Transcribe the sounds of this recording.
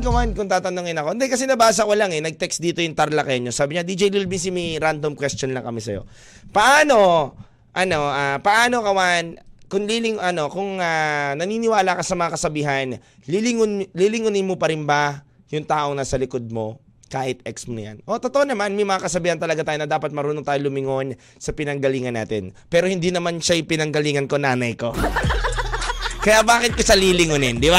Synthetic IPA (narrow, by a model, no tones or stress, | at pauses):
ɡɐwankʊŋt̪aːt̪ɐnoŋɪnɐkond̪ɛjkɐs̬ɛnɐbaːs̬ɐkwɐlaŋɛnɐɡ̚t̪ɛksd̪iːt̪o̞jʊŋt̪ɐɾlakɐjɐɲosaːbɪɲad̪id͡ʒɐʔɪlɪlbis̬ɪmɐɾand̪omkwɛst͡ʃonlɐŋkɐmisɐ̰jo̞̰ | pɐʔaːno̞ | ʔɐno̞ʔapɐʔaːno̞kɐwankʊŋlilɪŋʔɐno̞kʊŋanɐniːnɪwaːlakɐsɐmɐŋakɐsɐbiːɦɐn | lilɪŋʊnlilɪŋʊnɪnmopɐɾɪnbɐ | jʊŋt̪aːʔo̞ŋnɐsɐlɪkod̪̚mo̞ | kaːʔɪt̪̚ʔɛksmo̰ja̰nʔo̞t̪ot̪oʔonɐmanmɐjmɐŋakɐsɐbiːhɐnt̪ɐlɐɡat̪aːjonɐd̪aːpɐt̪̚mɐɾuːnot̪aːjolʊmɪŋo̞n | sɐpɪnɐŋɡɐliːŋɐnːa̰ːt̪ɪ̰npɛːɾohɪnd̪inɐmanʃajʊŋpɪnɐŋɡɐliːŋɐnkonaːnɐjko̞ | kɐjabaːkɪt̪̚kosɐliːlɪŋonɪnd̪ɪba